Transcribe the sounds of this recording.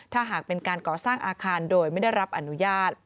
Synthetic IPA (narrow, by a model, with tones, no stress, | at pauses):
t̪ʰaː˥˩ɦaː˨˩k̚pe˧nkaː˧nkɔː˨˩saː˥˩ŋʔaː˧kʰaː˧ndoː˧jma˥˩jda˥˩jɾa˦˥p̚ʔa˧nu˦˥jaː˥˩t̪̚